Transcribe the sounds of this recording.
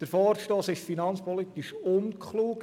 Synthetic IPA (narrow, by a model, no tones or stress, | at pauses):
d̥əɾfɔːɾʃtoːsɪʃfinɑnt͡spɔlit̪iʃʊnkχluːk